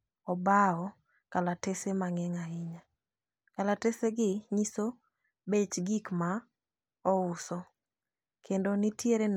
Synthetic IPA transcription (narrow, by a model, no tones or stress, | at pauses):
ɔbaɔ | kalatesemaŋɛŋaɪɲa | kalateseɡɪɲiso | bet͡ʃɡikma | ɔʊsɔ | kʰendonitjeɾen